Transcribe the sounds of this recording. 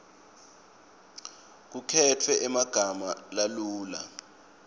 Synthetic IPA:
k̬ukʰɛtʰwɛʔɛmaɡ̥ʱamalaluːla

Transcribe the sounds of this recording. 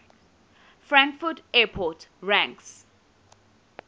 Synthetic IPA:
fɹãŋkfutɛpʰɔtɹãŋks

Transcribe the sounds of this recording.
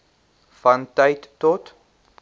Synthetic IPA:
fɐntəjtːɔt

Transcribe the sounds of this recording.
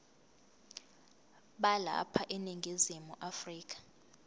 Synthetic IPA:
ɓala̰pʰaʔɛniŋɡʱizimuʔafriːk̬ʰʼḁ

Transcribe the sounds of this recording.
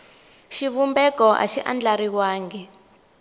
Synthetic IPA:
ʃiβumbɛkɔʔa̰ʃiʔa̰nd͡ɮaɾiwaːŋɡɛ

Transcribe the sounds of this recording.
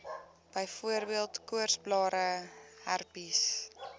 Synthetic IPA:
b̥əjfuərbiəlˠtkuərsblɑːɾəhærpis

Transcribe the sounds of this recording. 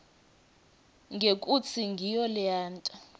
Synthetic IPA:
ŋɡʱekʼut͡sʰiŋɡʱijɔliaːntʼa

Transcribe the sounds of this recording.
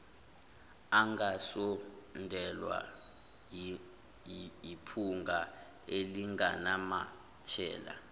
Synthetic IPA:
aŋɡasɔndʱɛlwa̰ | ipʰuŋɡʱa | eliŋɡa̰nama | tʰɛ̰ːla̰

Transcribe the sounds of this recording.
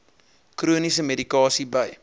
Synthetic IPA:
kruənisəmedikɑːsibəj

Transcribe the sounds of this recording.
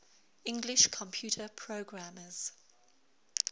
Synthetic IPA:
ɪ̃ŋɡlɪʃkʰɔ̃mpʰj̥uˑtʰəpʰɹoːɡɹaməz̥

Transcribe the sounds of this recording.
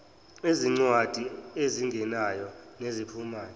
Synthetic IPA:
eziŋ͡ǀwad̥ʱieziŋɡʱɛnajɔnezipʰumaːjɔ

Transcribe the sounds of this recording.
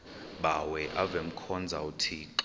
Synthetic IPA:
ɓawɛʔavem̩kʰɔnd͡zʱautʰiǁ

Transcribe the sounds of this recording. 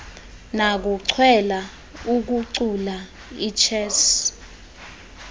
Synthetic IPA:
nak̬uǀʰwɛla | uk̬uǀula | it͡ʃʰɛːs

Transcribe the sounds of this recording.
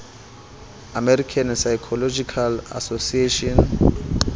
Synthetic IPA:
amɛɾikʰansajkʰɔlɔd͡ʒikʰala̰sosieʃɔn

